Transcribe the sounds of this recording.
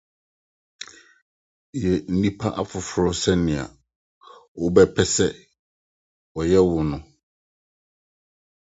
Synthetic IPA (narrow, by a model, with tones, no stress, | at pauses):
jɛ˨n̩˦nĩ˦pʰa˦ʔa˦fʊ˨fʊ˨ɾɔ˦sɛ˦nɪ̃˨a̰˨ | wʊ˦bɛ˦pʰɛ˦sɛ˦ | wɔ˨jɛ˦wʊ˨nʊ̃˦